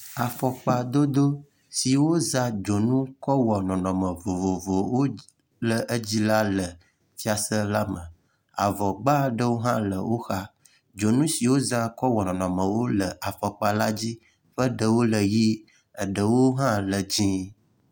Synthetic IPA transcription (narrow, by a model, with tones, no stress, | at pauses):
a˨fɔ˨k͡pa˨d̪o˦d̪o˦ | si˨wo˦za˦d͡ʒo˨nũ˦kɔ˦wɔ˨nɔ̃˨nɔ̃˨mə˨vo˨vo˨vo˨wo˦ | lə˨ʔə˦d͡ʑi˦la˦lə˨ | fi˦a˨sə˦la˦mə̃˨ | a˨vɔ˨ɡ͡ba˦ɖə˦wo˦ɦã˦lə˨wo˦xa˦ | d͡ʒo˨nũ˦si˨wo˦za˦kɔ˦wɔ˨nɔ̃˨nɔ̃˨mə̃˨wo˦lə˨a˨fɔ˨k͡pa˨la˦d͡ʑi˦ | ɸə˦ɖə˨wo˦lə˨ji˦ | ə˨ɖə˨wo˦ɦã˦lə˨d͡ʑĩ˦